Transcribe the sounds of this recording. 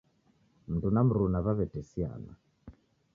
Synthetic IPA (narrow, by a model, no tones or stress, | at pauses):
m̩tunam̩ɾunaβaβɛtɛsia̰na̰